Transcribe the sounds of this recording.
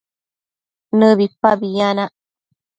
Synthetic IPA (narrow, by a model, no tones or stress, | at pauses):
nɨβipːabianaʔ